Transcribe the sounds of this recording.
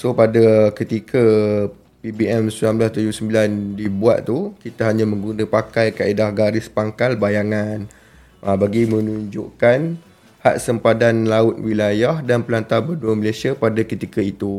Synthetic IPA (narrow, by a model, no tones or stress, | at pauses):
sopadakət̪ikʰə | pibiɛmsilamblast̪ud͡ʒubsəmbilandibua̰t̪̚t̪ukit̪aɦaɲãmə̃ŋɡunəpakajkaidahɡaɾɪspaŋkalbajaŋan | ʔəbaɡimə̃nuɲd͡ʒṵʔkan | ha̰ʔsəmpadanlaʊt̪̚wilajahdanpəlant̪abərduəməlesiapadakət̪ikəit̪u